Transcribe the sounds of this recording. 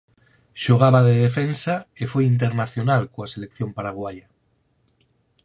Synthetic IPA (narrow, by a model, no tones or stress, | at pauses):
ʃoɣ̞aβaðeðefensaefojint̪̬eɾnaθjonalkoaselekθjompaɾaɣ̞waja